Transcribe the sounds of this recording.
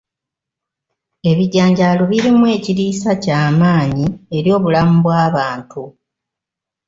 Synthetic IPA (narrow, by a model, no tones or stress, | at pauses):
e̞βiɟːaːɲɟaloβiɾimwe̞ːciɾiːsacaːmaːɲie̞ɾjo̞ːβulamuβwaːβaːntu